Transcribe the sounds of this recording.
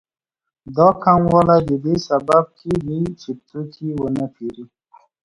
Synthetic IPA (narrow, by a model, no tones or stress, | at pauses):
d̪ɑkʰamwalad̪id̪esabab̚kʰilit͡ʃit̪ʰukʰiwənapʰiɾi